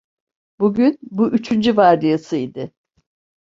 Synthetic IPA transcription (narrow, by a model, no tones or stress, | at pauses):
buɟynbuʔyt͡ʃʰynd͡ʒyvaɾd̪ijasɯid̪ɪ